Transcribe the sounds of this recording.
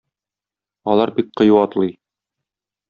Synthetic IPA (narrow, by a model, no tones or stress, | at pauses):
ɒlˠɑɾbik̚qɤ̆juɒt̪lˠɤj